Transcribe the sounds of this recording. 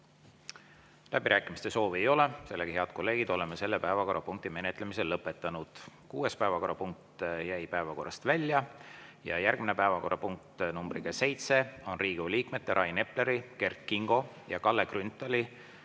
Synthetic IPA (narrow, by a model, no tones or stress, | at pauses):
lʔæb̥iɾʔæːkːˑimist̪e̞so̞ːviejo̞le̞se̞lːeɡ̥ihe̞ɑd̪̥ko̞lːe̞ːɡ̥id̪̥o̞lemese̞lːepæevɑko̞rːɑpuŋk̚t̪ime̞ne̞t̪ːˑle̞mise̞lːɤpːˑe̞t̪ːˑɑnud̪̥kuːespæevɑko̞rːɑpuŋk̚t̪jæjpæevɑko̞̰rːɑst̪vælʲːjɑjɑ̰jærɡ̥mine̞pæevɑko̞rːɑpuŋk̚t̪numbrikese̞jt̪se̞o̞nriːɡ̥uliːkme̞t̪ːe̞ɾʔɑjne̞ple̞ɾike̞rkːiŋɡ̥o̞ | jɑkɑlːeɡrynt̪ːˑɑli